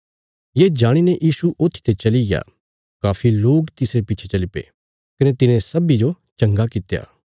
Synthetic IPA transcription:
jeːd͡ʒaːɽ̃ineʔjʔiːsuʔoːt̪ʰːi̥t̪et͡ʃɐlija̰ː | kaːfʰiloːɡt̪ɪsɾepɪːt͡ʃʰet͡ʃɐlipḛː | kɐnet̪ɪnẽsɐbid͡ʒo | t͡ʃɐ̃ŋɡakɪt̪ja̰ː

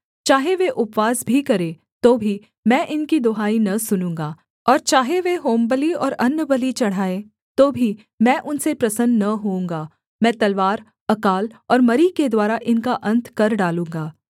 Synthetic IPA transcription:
t͡ʃaːɦeʋeʔʊpʋaːzbʱikɐɾẽː | t̪oːbʱi | mɛ̃ːʔɪnkid̪oːɦaːinɐsʊnũːŋɡaː | ɔːɾt͡ʃaːɦeʋeɦoːmbəliɔːɾɐnːəbəlit͡ʃɐɽ̤aːẽ | t̪oːbʱi | mɛ̃ːʔʊnsepɾɐsənnɐɦoũːŋɡaː | mɛ̃ːt̪ɐlʋaːɾ | ɐkaːlɔːɾmɐɾiked̪waːɾaʔɪnkaʔɐ̃nt̪ʰkɐɾɖaːlũːŋɡaː

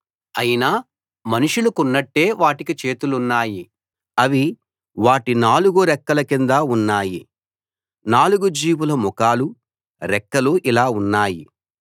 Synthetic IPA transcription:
ɐjinaː | mɐnuʂulukunːɐʈːe̞ːʋaːʈikit͡ʃe̞ːt̪ulunːaːji | ɐʋi | ʋaːʈinaːluɡuɾɛkːɐlɐkind̪aunːaːjḭ | naːluɡud͡ʒiːwulɐmɔkaːlu | ɾɛkːɐluʔilaːunːaːjḭ

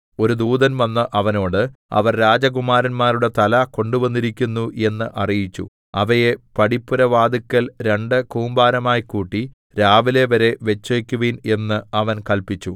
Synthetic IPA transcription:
o̞ɾud̪uːd̪ɐnʋɐnːɐʔɐʋɐnoːɽɨɐ̰ʋɐrɾaːd͡ʑɐɡumaːɾɐnmaːɾuɽe̞t̪ɐlɐko̞ɳɖuʋɐnːiɾikʲːunːuʔe̞nːɨʔɐrijit͡ɕːṵ | ɐʋɐjepɐɽipːuɾɐʋaːd̪ikʲːɐlɾe̞ɳɖɨkuːmbaːɾɐmaːjkuːʈːi | ɾaːʋile̞ʋɐɾe̞ʋe̞t͡ɕːɐkʲːuʋine̞nːɨɐʋɐnkɐlpit͡ɕːu

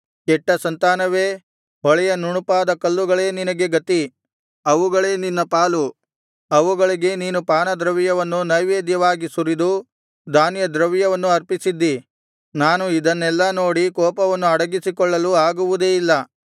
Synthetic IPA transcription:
kɛʈːɐsɐnt̪aːnɐʋe̞ː | ɔɭɛjɐnuɳupaːd̪ɐkɐlːuɡɐɭe̞ːninɐɡe̞ɡɐt̪i | ɐʋuɡɐɭe̞ːninːɐpaːlu | ɐʋuɡɐɭiɡe̞niːnupaːnɐd̪ɾɐʋijɐʋɐnːunɐjʋeːd̪jɐʋaːɡisuɾid̪u | d̪aːnjɐd̪ɾɐʋjɐʋɐnːuɐɾpisid̪ːi | naːnuid̪ɐnːɛlːɐno̞ːɽikɔːpɐʋɐnːuɐɽɐɡisikɔɭːɐluaːɡuʋud̪eːilːɐ

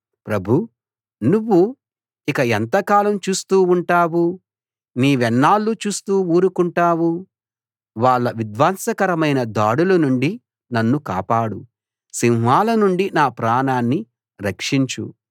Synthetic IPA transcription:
pɾɐbʱu | nuʋːu | ikɐɛnt̪ɐkaːlɐmt͡ʃuːst̪uːuɳʈaːwu | niːʋɛnːaːlːut͡ʃuːst̪uːuːɾukuɳʈaːwu | ʋaːɭːɐʋid̪ʋaːnsɐkɐɾɐmɐjnɐd̪aːɽulɐnuɳɖi | nɐnːuka̰ːpaːɽu | siŋɦʋaːlɐnuɳɖinaːpɾaːnaːnːi | ɾɐkʂiɲt͡ʃṵ

